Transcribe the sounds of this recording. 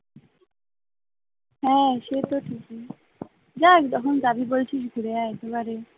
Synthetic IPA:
ɦɛ̃ʃet̪oʈʰiki | d͡ʑakd̪ɔkʰond̪abibolt͡ɕʰiʃɡʱuɾeaɛkebaɾe

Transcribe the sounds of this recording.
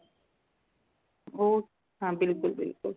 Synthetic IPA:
oː | ɦãːbɪlkʊlbɪ̰lkʊl

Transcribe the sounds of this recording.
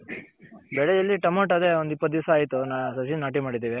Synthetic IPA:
bɛɭejɐlːiʈɐmɐːʈɐd̪e̞ond̪ipːɐt̪̚ːd̪iʋsaːjt̪unaːsɐsinaːʈimaːɽid̪iːʋe

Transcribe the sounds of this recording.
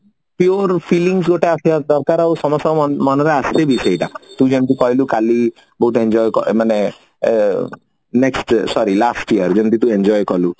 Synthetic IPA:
pjoɾpʰiliŋs̬ɡoʈeasiad̪ɔɾkaɾawsɔmɔsamɔnɔɾeast̪ebʱisejʈat̪ud͡ʒent̪ikɔɦilukali | bɔɦut̪end͡ʒɔjkɔ̰mane | neksʈsɔɾilasʈiəɾd͡ʒent̪it̪uend͡ʒɔjkɔlu

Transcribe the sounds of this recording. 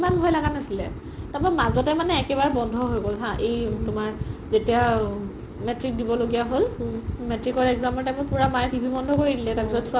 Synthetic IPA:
manbʱɔjlaɡanasilɛ | tapamazɔtɛmanɛːkɛbaɹɛbɔndʱɔɦojɡolɦãʔejtʊmaɹzetija | mɛtɹik̚dibɔloɡijaɦolmɛtɹikɔɹɛɡzamɔɹtɛmʊ̃jpuɹamajbʱibʱibɔndʱɔkoɹidilɛtaɹpisɔtsa

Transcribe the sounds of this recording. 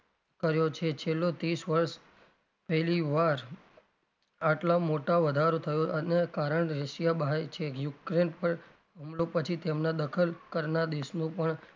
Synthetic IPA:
kəɾjot͡ʃʰet͡ʃʰelːot̪ɾisʋəɾʃ | pɛɦliʋaɾ | aʈlamoʈaʋəd̪ʱaɾot̪ʰəjoʔənekaɾəɳɾəʃjabajt͡ʃʰejukɾenpəɳ | əmlopət͡ʃʰit̪emnad̪əkʰəlkəɾnad̪eʃnũpəɳ

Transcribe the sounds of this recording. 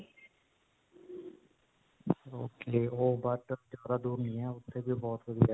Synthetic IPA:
oːkeːoːbaːʈəɾd͡ʒjaːd̪ad̪uːɾnĩɛ̃ʊt̪ʰːebʱibɔːt̪ʋɐd̪ija

